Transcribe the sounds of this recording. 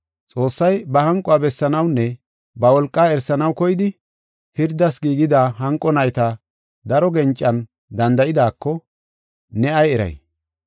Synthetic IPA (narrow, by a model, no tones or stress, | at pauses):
t͡sʼo̞ːsːɐjbɐhɐŋkʼɔabɛsːɐnɐwnːɛ | bɐwɔlkʼːaːɛɾsːɐnɐwkɔjɪd̪ɪ | hɪɾd̪ːɐsɡiːɡɪd̪aːɦɐŋkʼːɔnɐjt̪ɐ | d̪ɐɾɔɡɛnt͡ʃʼːɐn | d̪ɐnd̪ɐɪd̪aːkːɔ | nɛɐjɛɾɐ̰j